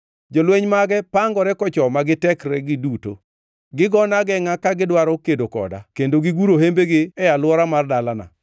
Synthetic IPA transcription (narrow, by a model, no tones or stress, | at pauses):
d͡ʒolweɲmaɡɛpaŋɡɔɾɛkɔt͡ʃɔmaɡɪtɛkɾɛɡɪduto̰ | ɡɪɡɔnaɡɛŋakaɡɪdwaɾɔkedokɔ̰da̰kendoɡɪɡuɾoɦembeɡɪɛjalwɔɾamardalana̰